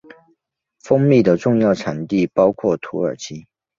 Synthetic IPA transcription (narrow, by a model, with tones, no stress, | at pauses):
fɤ˥ŋmi˥˩d̪ə˩ʈ͡ʂʊ˥˧ŋjɑ˥˩ʊʈ͡ʂʰa˨˩nt̪i˥˩pɑ˥ʊkʰwɔ˥˩t̪ʰu˧˥ə˞˨˩t͡ɕʰi˥